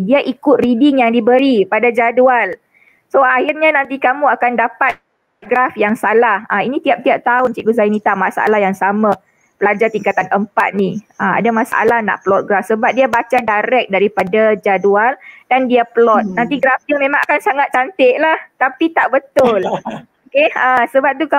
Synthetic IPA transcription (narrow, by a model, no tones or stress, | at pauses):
diaʔikʊt̪̚ridɪŋjaŋdibəɾipadad͡ʒadual | soahirɲanãnt̪ikamũakandapat̪̚ | t̪̚ɡɾafjaŋsalahainĩt̪iap̚t̪iap̚t̪aʊnt͡ʃiʔɡuzainit̪amasa̰lahjaŋsama | pəlad͡ʒart̪iŋkat̪anʔəmpa̰t̪̚niaa̰damasaʔa̰lahna̰ʔplɔt̪̚ɡɾafsəbap̚diabat͡ʃadaɾɛk̚daɾipadad͡ʒadualdandiapəlɔt̪̚nant̪iɡɾafdamẽmãŋʔakansaŋat̪̚t͡ʃːant̪eʔlaht̪apit̪aʔbət̪ʊl | okeasəbap̚t̪uka